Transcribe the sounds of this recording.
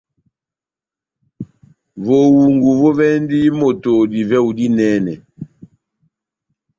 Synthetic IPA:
vo˨wu˨ŋɡu˨vo˦vɛ˦ndi˦mo˨to˨di˨vɛ˦u˨di˦nɛ˦nɛ˨

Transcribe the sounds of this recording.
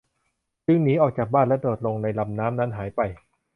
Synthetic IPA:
sɯ˦˥ŋniː˦˥ʔɔː˨˩k̚t͡ɕaː˨˩baː˥˩nlɛ˦˥ʔdoː˨˩t̪̚lo˧ŋna˧jla˧mnaː˦˥mna˦˥nɦaː˩˦jpa˧j

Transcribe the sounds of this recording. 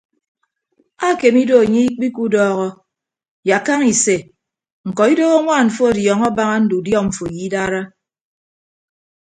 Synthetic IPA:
a˦˨ke˨mi˦do˦a˨ɲe˦i˦k͡pi˦ku˦dɔː˦˨ɣɔ˦ | ja˨ka˦ŋi˨se˨ | ŋ̩˨kɔ˨i˦do˦ɣo˦ŋʷaː˦˨ɱ̩˨fo˦a˨djɔ˨ŋɔ˦ba˦ŋa˦n̩˦du˨djɔ˦˨ɱ̩˨fo˨ji˦da˦ɾa˦

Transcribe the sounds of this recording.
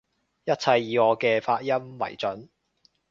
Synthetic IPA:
jɐ˥t̚t͡sʰɐ˧jːiː˨˧ɔː˨˧kɛː˧faː˧t̚jɐ˥mwɐ̰˨˩jt͡sɵ˨˥n

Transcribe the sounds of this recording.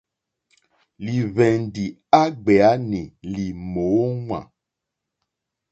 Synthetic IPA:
li˨βɛ˨n˨ɖi˨ | a˦ɡ͡be˨a˦nẽ˨li˨mo˨wo˦ŋwã̰˨

